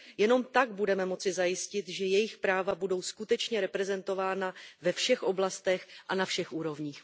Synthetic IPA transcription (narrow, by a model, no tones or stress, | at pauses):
jɛno̞mt̪aɡ̚budɛmɛmo̞t͡sɪzajɪscɪt̪ʒɛjɛjɪxpɾaːvabudo̞wskut̪ɛt͡ʃɲɛɾɛpɾɛzɛnt̪o̞vaːnavɛfʃɛxʔo̞blast̪ɛxʔanafʃɛxʔuːɾo̞vɲiːx